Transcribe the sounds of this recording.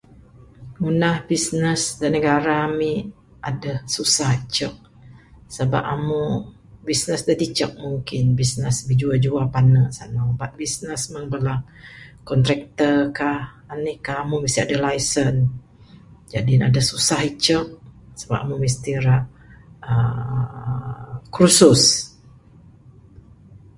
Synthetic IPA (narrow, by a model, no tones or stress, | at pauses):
munahbisnəsdənəɡaɾaːmi | ʔadəsusahit͡ʃək̚ | səba̰p̚amu | bisnəsdat̪it͡ʃək̚muŋkɪnbisnəsbid͡ʒuad͡ʒuapanəsanabat̪̚bisnəsməŋbəla | kɔnt̪ɾɛk̚t̪əkah | anikahamumist̪iadalajsən | d͡ʒadinadasusahit͡ʃək̚səbapamumis̬t̪iɾaʔ | ə | kɾusus